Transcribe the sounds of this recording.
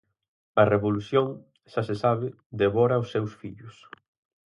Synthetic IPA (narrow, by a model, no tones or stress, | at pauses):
ɐreβoluθjoŋ | ʃasesaβɪ | d̪eβɔɾaʊsːewsfiʎʊs